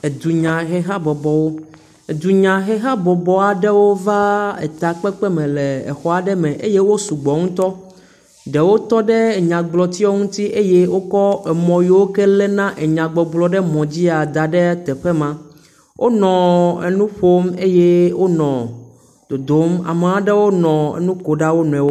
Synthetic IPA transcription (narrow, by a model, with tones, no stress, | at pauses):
e˨d̪u˨ɲã˨ɦe˦ɦa˦bɔ˨bɔ˨wo˦ | e˨d̪u˨ɲã˨ɦɛ˦ɦa˦bɔ˨bɔ˨a˨ɖɛ˦wo˦va˦ḛ˨t̪a˨k͡pɛ˦k͡pɛ˦mɛ̃˨lɛ˨ḛ˨xɔ˦a˨ɖɛ˦mɛ̃˨ʔe˦je˦wo˦su˨ɡ͡bɔ˨ŋũ˦t̪ɔ˦ | ɖe˨wo˦t̪ɔ˦ɖɛ˦e˨ɲã˨ɡ͡blɔ˨t̪i˦ɔ˦ŋũ˦t̪i˦ʔe˦jɛ˦wo˦kɔ˦ɛ˨mɔ̃˨ji˦wo˦kɛ˦lɛ˦nã˦ʔɛ˨ɲã˨ɡ͡bɔ˨ɡ͡blɔ˨ɖɛ˦mɔ̃˨d͡ʑi˦a˨d̪a˨ɖɛ˦t̪ɛ˨ɸɛ˦mã˦ | wʔo˦nɔ̃˨ḛ˨nũ˦ɸo˦me˦jɛ˦wo˦nɔ̃˨ | d̪̥o˨d̪o˦ma̰˨me˨ã˦ɖɛ˦wo˦nɔ̃˨ḛ˦nũ˦ko˨ɖa˦wo˦nũ˨ɛ̃˨wo˦